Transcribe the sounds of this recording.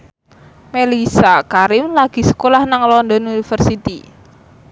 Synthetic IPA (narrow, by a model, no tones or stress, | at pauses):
melisakaɾɪmlaɡ̥i̤sə̥kolahnaŋlɔnd̪ɔnunifərsit̪i